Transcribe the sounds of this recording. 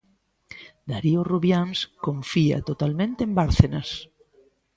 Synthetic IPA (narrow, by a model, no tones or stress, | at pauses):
d̪aɾioruβjanskõɱfia̰t̪ot̪almẽnt̪eembaɾθenas